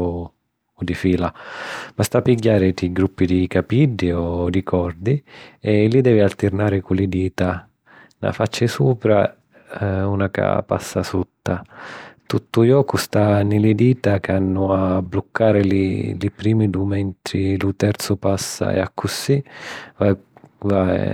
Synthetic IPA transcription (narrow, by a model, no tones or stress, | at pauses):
ɔd̪ifiːlamast̪apːiɟːaːɾɪd̪iɡɾupːid̪ikapiɖːiɔd̪ikʰɔrd̪iɛlid̪ɛːvialt̪ɪɾnaːɾɪkulɪd̪iːt̪a | na̰fat͡ʃːɪsuːpɾa | unaka̰pa̰sːasut̪ːat̪ut̪ːʊjɔːkust̪anɪlɪd̪iːt̪akanːʊabːlukʰːaːɾɪlḭlipɾiːmid̪umɛnt̪ɾɪlut̪ɛɾt̪sʊpasːa̰ɛ̰akʰːusivava